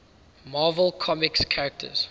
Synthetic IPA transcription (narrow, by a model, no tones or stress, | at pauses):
mɑːvəlˠkʰɔmɪkskʰaɹək̚tʰə̰z̥